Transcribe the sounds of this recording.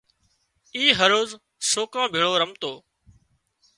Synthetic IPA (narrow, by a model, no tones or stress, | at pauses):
iːɦəɾoːz | soːkãːbʱeːɭoːɾəmt̪oː